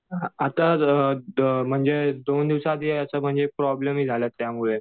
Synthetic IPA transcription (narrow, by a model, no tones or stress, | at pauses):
at̪a | m̤əɳd͡zed̪ond̪iʋsãd̪iəsəm̤əɳd͡zepɾɔblemɦiːd͡zʱalət̪ːjamuɭe